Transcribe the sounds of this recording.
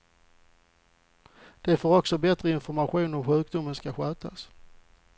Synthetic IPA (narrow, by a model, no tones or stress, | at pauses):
d̪̥ɛfoːɾɔksɔbɛt̪ɾəɪnfɔɾmaɧuːnɔmɧʉ̟ːk̚d̪ʊmːənskaɧœːt̪ʰa̰s